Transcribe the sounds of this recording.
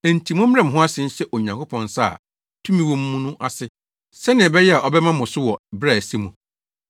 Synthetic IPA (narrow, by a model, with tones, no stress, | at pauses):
æ˨n̩˨tʰi˨mʊ̃˦m˦ɛ̃˦m̩˨ɦʊ̃˦a˦sɪ˦n̩˦ɕɛ˦ʔo˨ɲã˨ŋkʰo˦pʰɔ̃˨nsa̰˦˨ | tʰũ˦mĩ˦wɔ̃˦m̩˦mũ˦nʊ̃˦ʔa˨sɪ˦ | sɛ˦nɪ̃˨ɛ˨bɛ˦jɛ˦a˨ʔɔ˨bɛ˦mã˦mʊ̃˨sʊ˦wɔ˨bɾɛ˦˨æ˨si˦mũ˨